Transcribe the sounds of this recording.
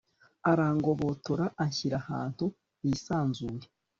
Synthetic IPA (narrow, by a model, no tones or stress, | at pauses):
aɾaːŋɡo̞βo̞toɾaʔaɲçiɾaha̰ːn̥hu | isaːnzuːje